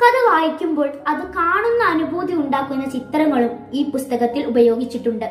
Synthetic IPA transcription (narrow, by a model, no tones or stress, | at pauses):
kɐðɐʋaːjikʲːumbo̞ːɭɐðɨkaːɳunːɐːnubʱuːd̪ʱiuɳɖaːkːunːɐt͡ɕit̪ːɾɐŋːɐɭum | iːpust̪ɐɣɐt̪ːilubɐjo̞ːɡit͡ɕːiʈːuɳɖɨ